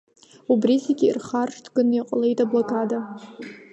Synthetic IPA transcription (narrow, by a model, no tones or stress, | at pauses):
ubrizeɡʲiḭrχarʂtʰɡɨniqʼle̞jtʼablokʼada